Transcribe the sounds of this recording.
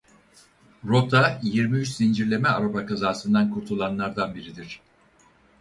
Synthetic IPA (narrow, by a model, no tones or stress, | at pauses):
ɾo̞t̪ʰajiɾmiyt͡ʃsind͡ʒiɾlʲe̞mɛaɾabakazaːsɯnd̪ankʰuɾt̪ʰulˠanlˠaɾd̪anbiɾid̪iɾ̥